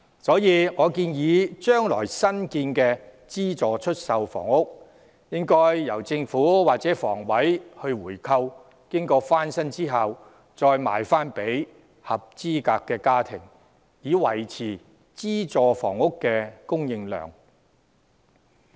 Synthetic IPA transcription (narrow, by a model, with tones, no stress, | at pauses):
sɔː˨˥jiː˨˧ŋɔː˨˧kiː˧njiː˨˧t͡ʃœː˥ŋlɔ̰ː˨˩jsɐ˥nkiː˧nkɛː˧ | t͡siː˥t͡sɔː˨t͡ʃʰɵ˥t̚sɐ˨˧wfɔ̰ː˨˩ŋʊ˥k̚ | jɪ˥ŋkɔː˥jːɐ˨˩wt͡sɪ˧ŋfuː˨˥waː˨k̚t͡sɛː˨˦˥fɔ̰ː˨˩ŋwɐ˨˥jhɵ˧ɥwuː˨˩jkʰɐ˧w | kɪ˥ŋkɔː˧faː˥nsɐ˥nt͡siː˥ɦɐ˨w | t͡sɔː˧jma̰ː˨jfaː˥npe˨˥j | hɐ˨p̚t͡siː˥kaː˧kːɛː˧kaː˥t̪ʰɪ˨˩ŋ | jiː˨˧wɐ˨˩jt͡sʰiː˨˩ | t͡siː˥t͡sɔː˨˧fɔ̰ː˨˩ŋʊ˥kːɛː˧kʊ˥ŋjɪ˧ŋlœ̰ː˨ŋ